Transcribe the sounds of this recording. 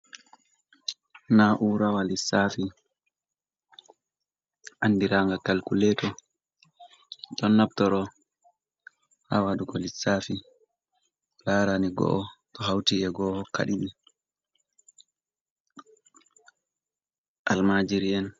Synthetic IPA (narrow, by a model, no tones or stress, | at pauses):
naʔuɾawalisafi | ʔandiɾaŋɡakalkulɛtɔ | ɗɔnːabtɔɾɔ | ha̰waɗukɔlisːafi | laːɾaniɡɔ̰ʔɔtɔɦawtiʔɛɡɔːhɔkːa̰ɗiɓi | ʔalmad͡ʒiɾiɛn